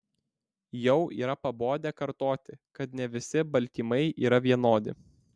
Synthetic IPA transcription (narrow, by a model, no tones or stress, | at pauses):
jɛʊʔiːɾɐpɐboːd̪ʲɛkɐɾt̪oːt̪ʲɪkɐt̪nʲɛʋʲɪsʲɪbɐlʲt̪ʲiːmɐɪiːɾɐʋʲiɛnoːd̪ʲɪ̰